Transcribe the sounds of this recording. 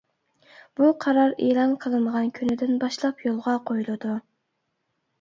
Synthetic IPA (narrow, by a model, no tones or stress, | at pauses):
b̥uqʰɑɾɑɾeːlˠɑnqʰəlˠɨnʁɑnkʲʰynɪd̪ɪnbɑʃlˠɑpjolˠʁɑqʰojulˠɨd̪u